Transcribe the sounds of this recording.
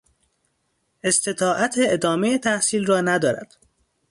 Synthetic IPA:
e̞st̪e̞t̪ʰɒːʔæt̪ʰeed̪ɒːme̞jet̪ʰæhsiːlrɒːnæd̪ɒːɾæ̰d̪̥

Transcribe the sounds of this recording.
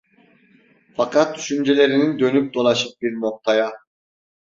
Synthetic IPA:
fɑqɑt̪ːʰy̥ʃymd͡ʒe̞le̞ɾinind̪ø̞nyp̚d̪olˠɑʃɯp̚biɾno̞q̚t̪ɑjɑ

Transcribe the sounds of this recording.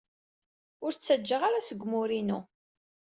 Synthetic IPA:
ʊɾt͡sːæd͡ʒːəʁaɾasəɡʷːmʊɾinu

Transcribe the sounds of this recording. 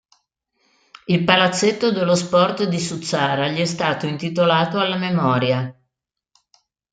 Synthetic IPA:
ilpalat̪sːet̪ːod̪elːospɔrt̪d̪isut̪sːaːɾaʎiɛst̪aːt̪oint̪it̪olaːt̪oalːamemɔːɾja

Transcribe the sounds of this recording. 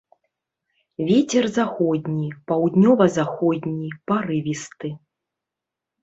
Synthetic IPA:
vʲet͡sʲɛrzaxɔd̪ʲnʲipawd̪nʲɔvɐzaxɔd̪ʲnʲipaɾɨvʲist̪ɨ

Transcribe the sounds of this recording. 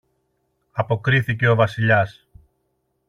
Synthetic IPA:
ɐpo̞kɾiθice̞o̞vɐsiʎɐs

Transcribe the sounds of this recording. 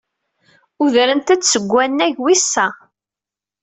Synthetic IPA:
uðɾənt̪æt͡sːsəɡʷːænːæʝwisːæ

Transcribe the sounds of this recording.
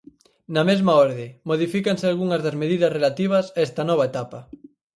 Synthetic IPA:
nɐmezmaɔɾðɪmoð̞ifikansɪalɣuŋɐzðɐzmeðiðɐsrelat̪iβ̞ɐsaɛst̪ɐnɔβ̞aet̪apɐ

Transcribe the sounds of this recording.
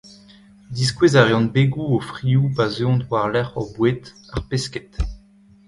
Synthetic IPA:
d̪is̬kwezaʁeɔ̃nbeɡuofʁiubazeɔ̃dwaʁlɛʁɔbwet̪aʁpeskɛ̥t̪

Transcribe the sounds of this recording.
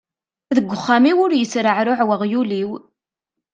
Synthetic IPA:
ðəɡʷːʊχːamiwʊɾjət͡sɾəʕɾʊʕwəʁjuliw

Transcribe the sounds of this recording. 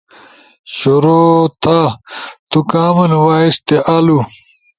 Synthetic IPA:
ɕoɾoːt̪ʰat̪ukaːmɐnwaːist̪eʔɐlu

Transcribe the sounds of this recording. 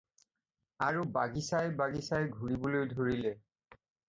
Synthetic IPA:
aɹubaɡisajbaɡisajɡʱuɹibolojdʱoɹilɛ

